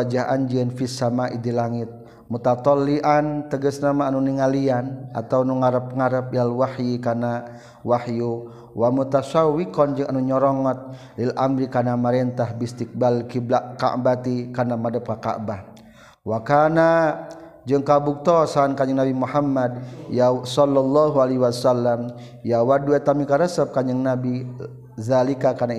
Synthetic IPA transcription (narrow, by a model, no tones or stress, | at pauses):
ad͡ʒaɦʔand͡ʒiɛnfisamaʔidilaŋit̪̚ | mut̪at̪ɔlːiʔant̪əɡəsnamaːnuniŋaliana̰t̪awnuŋaɾəp̚ŋaɾəp̚ialwahjikana | wahju | wamut̪asawikɔnd͡ʒɨŋanuɲɔɾɔŋɔt̪̚ | lilʔamɾikanamaɾɛnt̪ahbist̪ik̚balkiblaʔka̰ʔbat̪ikarnamadəp̚kaka̰ʔbah | wakana | d͡ʒəŋkabuk̚t̪ɔsankaɲəŋnabimuhamːad̚jasɔlːɔlːaɦualiwasalːam | jawaduɛt̪amikaɾəsəp̚kaɲəŋnabi | zalikakana